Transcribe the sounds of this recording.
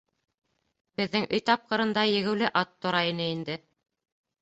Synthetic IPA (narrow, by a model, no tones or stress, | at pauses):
b̥ɘ̆ðːɘŋʔɵjt̪ɑp̚qɤ̆ɾɤ̆nd̪ɑjɘ̆ɡɘ̆wlɘʔɑt̪ːŏɾɑinɘind̪ɘ